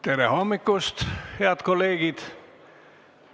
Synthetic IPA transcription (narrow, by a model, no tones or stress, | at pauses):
t̪eɾehomːikːˑust̪heɑt̪kolːeːɡ̥id̪̥